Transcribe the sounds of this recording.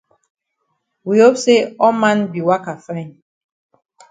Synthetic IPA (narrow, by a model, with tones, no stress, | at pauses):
wi˨ho˦pse˦ɔ˦mã˦nbi˨wa˦ka˨fã˦n